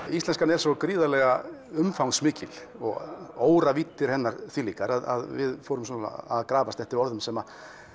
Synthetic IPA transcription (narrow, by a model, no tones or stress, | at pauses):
ist̪lɛnskanɛɾ̥sokɾiːðalɛɣaʏmfawnsmɪːcɪl | ɔɣ̰oːwɾaviːt̪ːɪɾ̥hɛnːaɾθviliːkaɾaða̰ðvɪðfoːwɾʏms̬una̰aðkɾaːvast̪ɛht̪ɪɾɔɾðʏmsɛma